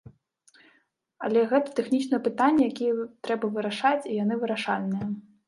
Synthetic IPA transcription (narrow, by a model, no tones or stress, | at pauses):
ɐlʲɛɣɛt̪ɐ̥t̪ɛxnʲit͡ʃnɐjɐpɨt̪anʲːɛjakʲijɛt̪ɾɛbɐvɨɾaʂat͡sʲijanɨvɨɾaʂalʲnɨjɐ